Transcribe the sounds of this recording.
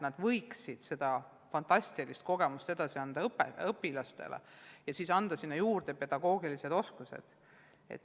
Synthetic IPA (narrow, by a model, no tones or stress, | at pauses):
nɑd̪̥vɤjksid̪̥se̞d̪̥ɑ | fɑnt̪ɑsʲt̪ilist̪̚ko̞ɡe̞must̪e̞d̪̥ɑsiɑnd̪ɑɤpːeɤpːilɑst̪ḛlḛjɑsiːsɑnd̪̥ɑsinːɑjuːrd̪̥epe̞d̪̥ɑɡ̥o̞ːɡ̥ilise̞d̪̥o̞skusḛd̪̥ | e̞̰t̪ːˑ